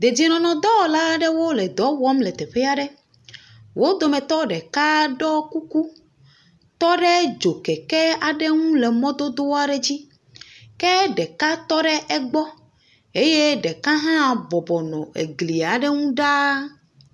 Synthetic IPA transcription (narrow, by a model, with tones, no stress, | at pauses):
d̪e˨d͡ʑi˨nɔ̃˨nɔ̃˨d̪ɔ˦˨˦la˦ɖɛ˦wo˦lɛ˨d̪ɔ˨˦wɔ˦mlɛ˨t̪ɛ˨ɸɛ˦a˦ɖɛ˦ | wo˦d̪o˨mɛ̃˨t̪ɔ˦ɖɛ˨ka˦ɖɔ˦ku˦ku˦ | t̪ɔ˦ɖɛ˦d͡ʒo˨kɛ˨kɛ˦a˨ɖɛ˦ŋũ˦lɛ˨mɔ̃˦d̪o˦d̪o˦wa˦ɖɛ˦d͡ʑi˦ | kɛ˦ɖɛ˨ka˦t̪ɔ˦ɖɛ˦ʔɛ˦ɡ͡bɔ˦ | e˦je˦ɖɛ˨ka˦ɦã˦˨bɔ˨bɔ˨nɔ̰̃˨ḛ˨ɡli˨a˨ɖɛ˦ŋũ˦ɖa˦